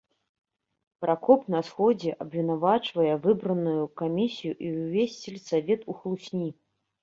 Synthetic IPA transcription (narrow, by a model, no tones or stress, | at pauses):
pɾakɔpnɐsxɔd͡zʲɛʔɐbvʲinavat͡ʂvɐjɛvɨbɾɐnujukamʲisʲijuʔiwvʲesʲt͡sʲilʲsavʲɛt̪uxlˠusʲnʲi